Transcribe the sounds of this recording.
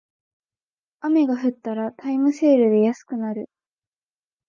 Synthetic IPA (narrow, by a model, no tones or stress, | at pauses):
ame̞ɡaɸɯ̟t̪ːaɾat̪ʰaimɯ̟se̞ːɾɯ̟d̪e̞jasɨ̥kɯ̟naɾɯ̟